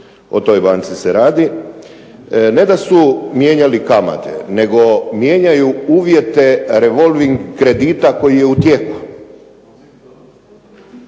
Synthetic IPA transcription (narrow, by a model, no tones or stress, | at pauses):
o̞̰t̪o̞jbaːnt̪siseɾaːd̪i | ne̞d̪asumje̞ːɲalikama̰t̪e̞̰ne̞ɡo̞mje̞ːɲajuuːʋje̞t̪e̞ɾe̞ʋo̞lʋiŋɡkɾe̞d̪iːt̪ako̞jijeut̪jeku